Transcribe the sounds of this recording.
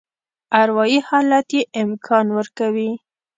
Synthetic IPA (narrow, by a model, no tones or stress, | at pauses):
aɾwɑjihɑlat̪jeʔɪmkʰɑnwəɾkawi